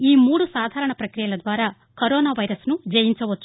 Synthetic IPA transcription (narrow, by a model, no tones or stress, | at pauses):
iːmuːɽusaːd̪ʱaːɾɐɳɐpɾɐkɾijɐlɐd̪ʋaːɾaː | kɐɾoːnaːʋɐjɾɐsnud͡ʒɐjiɲt͡ʃɐʋɐt͡ʃːu